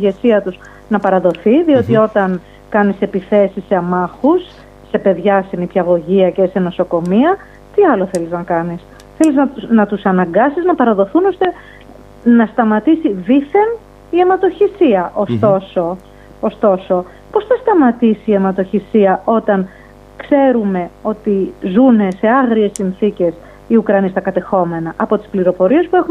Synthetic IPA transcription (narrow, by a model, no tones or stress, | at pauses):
ʝe̞siɐt̪us | nɐpɐɾɐðo̞θiðio̞t̪io̞t̪ɐn | kɐnise̞piθe̞siseɐmɐxusː | e̞pe̞ðʝɐsenipçɐɣo̞ʝiɐcese̞no̞so̞ko̞miɐ | t̪iɐlo̞θe̞liznɐkɐnis | θe̞liznɐt̪unɐt̪usɐnɐŋɡɐsiznɐpɐɾɐðo̞θuno̞st̪e̞ | nɐst̪ɐmɐt̪isiðiθe̞n | iemɐt̪o̞çisiɐʔost̪o̞so | ost̪o̞so̞ | po̞sθɐst̪ɐmɐt̪isiːe̞mɐt̪o̞çisiɐʔo̞t̪ɐn | kse̞ɾume̞o̞t̪izune̞se̞ɐɣɾie̞sːinθice̞s | iukɾɐnist̪ɐkɐt̪e̞xo̞me̞nɐʔɐpo̞t̪i̥spliɾo̞po̞ɾie̞spue̞xu